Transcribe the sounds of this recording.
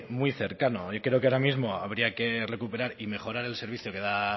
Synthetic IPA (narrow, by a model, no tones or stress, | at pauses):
mwiθe̞ɾkano̞okɾeokeaɾamizmo̞aβ̞ɾiake̞re̞kupe̞ɾaɾime̞xo̞ɾaɾe̞lse̞ɾβ̞iθjo̞ke̞ða